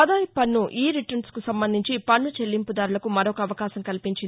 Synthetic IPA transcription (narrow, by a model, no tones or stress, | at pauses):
ɐd̪aːjpɐnːuʔiːɾiʈɐnskusɐmbɐnd̪ʱiɲt͡ʃipɐnːut͡ʃe̞lːimpud̪aːɾulɐkumɐɾɔkɐːʋɐkaːsɐmkɐlipiɲt͡ʃind̪